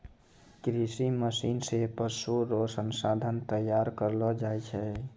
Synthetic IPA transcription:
kɾisiməsinsepəɾsuɾosənsad̪ʱənt̪əjaɾkəɾlɔd͡ʒajt͡ʃʰɛ

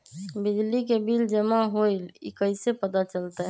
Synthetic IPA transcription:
bid͡ʒlikebild͡ʒəmaɦojlḭkəjsepət̪at͡ʃəlt̪ɛ

